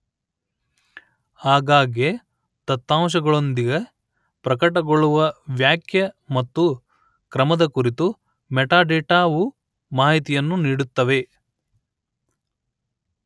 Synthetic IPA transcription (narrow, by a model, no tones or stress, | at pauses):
aːɡaːɡje | t̪ɐt̪ːaːmʃ̬ɐɡɐɭo̞nd̪iɡɐ | pɾɐkɐʈɐɡoɭuʋɐʋjaːkʰjɐmɐt̪ːu | kɾɐmɐd̪ɐkuɾit̪u | mɛʈaːɖeːʈaːʋu | maːɦit̪ijɐnːuniːɽut̪ːɐʋe̞